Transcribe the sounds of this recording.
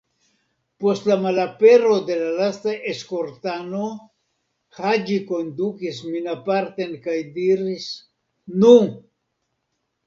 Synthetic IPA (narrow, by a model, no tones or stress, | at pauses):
po̞stlamalape̞ɾo̞de̞lalastaʔe̞sko̞ɾtano̞ | had͡ʒiko̞nd̪ukisminapaɾt̪e̞nkajdiɾis | nu